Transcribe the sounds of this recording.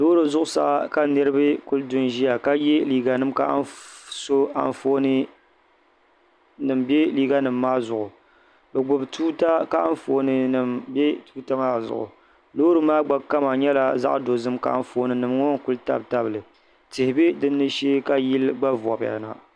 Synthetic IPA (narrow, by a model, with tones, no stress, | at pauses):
lo˦ɾo˨zʊ˦ʔʊ˦sa̰˨ʔa˨ka˦nɨ˦ɾɨ˦bɨ˦ku˦ldʊ˦nʒi˦ja˨ka˦je˦liː˦ɡa˨nɨ˦mka̰˨a˦so˦a̰˨nfo˦nɨ˦ | nɨ˨mbɛ˦liː˦ɡa˦nɨ˨mːaː˦zʊ˨ʔʊ˨ | bɨ˨ɡ͡bʊ˨btuː˦ta˦ka˦a˦n˦foː˨nɨ˨nɨ˨mbɛ˦tuː˦ta˦maː˦zʊ̰˨ʔʊ̰˨ | loː˦ɾo˦maː˦ɡ͡ba˨ka˦ma˨ɲɛ˦la˨za̰˦ʔdo˨zɨ˦mka̰˨ʔn˦fo˦nɨ˨nɨ˨mŋo˦ŋ˦kʊ˦lta̰˦bta˦bɨ˨lɨ˨ | tɨ˨hɪ˨bɨ˦dɨ˦nːɨ˦ʃeː˦ka˦ji˦lɡ͡ba˦vɔ̰˨ba̰˨na̰˨